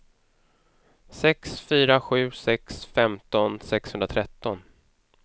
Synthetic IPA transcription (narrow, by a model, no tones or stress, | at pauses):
sɛksfyːɾaɧʉ̟ːsɛksfɛmt̪ɔnsɛkshɵnd̪ɾat̪ʰɾɛt̪ːɔn